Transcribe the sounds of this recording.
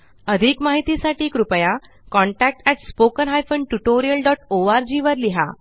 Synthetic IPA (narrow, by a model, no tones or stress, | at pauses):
əd̪ʱikmaɦit̪isaʈiːkɾupəja | kɔ̃ɳʈæk̚ʈɛʈspokənɦajfəɳɖʈuʈoɾijəlɖɔʈoaɾd͡ʑiːʋəɾliɦa̰